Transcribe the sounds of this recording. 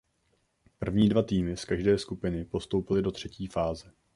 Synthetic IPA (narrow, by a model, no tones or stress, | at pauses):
pr̩vɲiːdvat̪iːmɪskaʒdɛːskupɪnɪpo̞st̪owpɪlɪdo̞t̪r̝̥ɛciːfaːzɛ